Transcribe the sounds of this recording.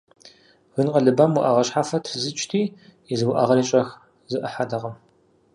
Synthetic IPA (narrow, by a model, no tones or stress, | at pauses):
wʷʊnqɐɮɨbɐmwʊʔɐʁɐɕħaːfɐtʰzɨt͡ʃʼtʰiː | ɪzɨwʊʔɐʁɐɾit͡ʃʼɐx | zɨʔɐħadɐʁɐm